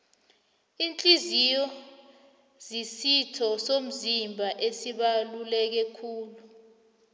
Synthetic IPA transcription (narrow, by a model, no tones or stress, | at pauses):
int͡ɬʼizijɔ | zisitʰɔsom̩zimbʱaʔesiɓalulɛk̬ɛkʰuːlu